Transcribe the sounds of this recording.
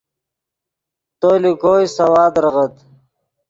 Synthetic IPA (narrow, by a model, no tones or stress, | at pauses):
t̪oːliɡoːjsɐwaːd̪ɾəʁət̪